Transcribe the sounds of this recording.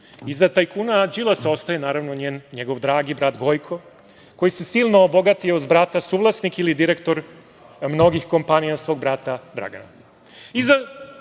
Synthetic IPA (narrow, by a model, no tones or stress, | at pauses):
izat̪ajkuːnad͡ʒilˠaseost̪ajenaːɾaʋnoɲeːnɲeɡo̞ʋd̪ɾaːɡibɾat̪ɡo̞jkʰo̞ | ko̞jise̞siːlˠnoːbo̞ɡat̪ioud̪bɾat̪asuːʋlˠasnikilid̪iɾekt̪o̞ɾ | mno̞ɡixko̞mpanijasʋo̞ːɡ̚bɾat̪ad̪ɾa̰ɡa̰na | iza